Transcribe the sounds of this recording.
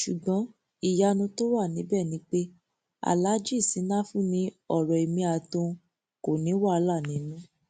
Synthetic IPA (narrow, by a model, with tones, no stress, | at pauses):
ʃu˨ɡ͡bɔ̃˨˦ | i˨ja˧nũ˧to˦wa˦˨nĩ˨˦bɛː˦˨nĩ˨˦k͡pe˦ | a̰˨la˨˦d͡ʒi˦˨si˨˦nã˦fũ˦mĩ˧ɔ˨ɾɔ˨i˨mĩ˧a˨tũ˧ | ko˨nĩ˨˦wa˦˧la˦˨nĩ˨˦nũ˦